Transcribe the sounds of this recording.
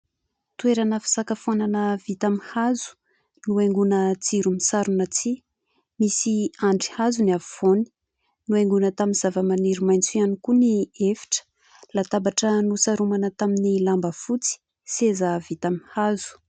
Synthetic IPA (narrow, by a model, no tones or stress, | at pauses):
t̪ueɾanəfi̥sakəfonanəvit̪amihazu̥ | nueŋɡunət͡siɾumisaɾunat͡si | misiaɳɖ͡ʐi̥hazuniavivoni̥ | nueŋɡunət̪aminz̥avəmaniɾimajnt͡suianikuniefi̥ʈ͡ʂə̥ | lat̪abaʈ͡ʂənusaɾumanət̪aminilambəfut͡si̥ | sezəvit̪amihazu̥